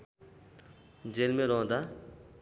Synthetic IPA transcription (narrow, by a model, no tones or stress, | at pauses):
d͡ʑelmeɾɔ̃ːd̪a